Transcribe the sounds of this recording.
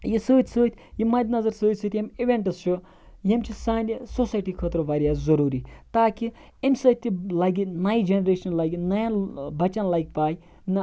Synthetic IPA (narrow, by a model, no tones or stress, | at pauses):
jisəːt̪ʲsəːt̪ʰʲjimɐd̪ʲnɐzɐɾsoːt̪ʲsɨːt̪ʲjɐmiʋʲeɳʈɐst͡ʃʰu | jɐmt͡ʃʰisaːnʲisosaːjʈiːkʰəːt̪ɾoʋaːɾʲjaːzɐɾuːɾiːt̪aːki | emsɐt̪ʲːilaɡinaːjd͡ʒenɾeːʃɐnlaːɡinɐjanbɐt͡ʃɐnlaːk̚paːj | n